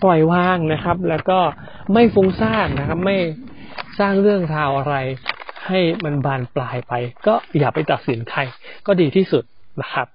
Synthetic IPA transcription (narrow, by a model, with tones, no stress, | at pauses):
pɔ˨˩jwaː˥˩ŋna˦˥kʰa˦˥p̚lɛː˦˥wkɔː˥˩ | ma˥˩jfu˦˥ŋsaː˥˩ŋna˦˥kʰa˦˥p̚ma˥˩jsaː˥˩ŋɾɯ˥˩əŋɾaː˧wʔa˧ɾa˧jha˥˩jma˧nbaː˧nplaː˧jpa˧jkɔː˥˩jaː˨˩k̚pa˧jt̪a˨˩t̪̚si˩˦nkʰa˧jkɔː˥˩diː˧t̪ʰiː˥˩su˨˩t̪̚ | na˦˥kʰa˦˥p̚